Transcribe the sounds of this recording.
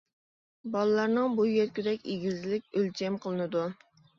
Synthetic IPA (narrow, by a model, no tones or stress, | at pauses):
bɑlˠɨlɑɾnɨŋbujeɾkʲyd̪ɛkʲeɡʲizlɪkʲølt͡ʃʰɛmqʰəlˠɨnɨd̪u